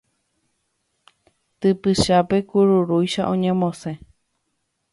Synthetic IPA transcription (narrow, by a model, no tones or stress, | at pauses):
t̪ɨpɨʃape̞kuɾuɾujʃaʔõɲẽmõsẽ̞